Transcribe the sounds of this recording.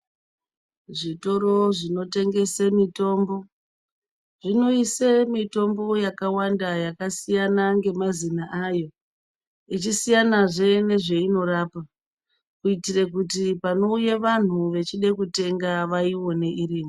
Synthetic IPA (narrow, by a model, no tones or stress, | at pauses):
ʐito̞ɾo̞ʐino̞te̞ŋɡe̞semito̞ːmbo̞ | ʐino̞isemito̞mbo̞jakawandajakasijanaŋɡe̞mazinaʔaːjo̞ | it͡ʃisijanaʐe̞ne̞ʐe̞ino̞ɾaːpa | kuitire̞k̬utipano̞ujeʋan̤uʋe̞t͡ʃiɗe̞kute̞ŋɡaʋaiwone̞ʔiriːmo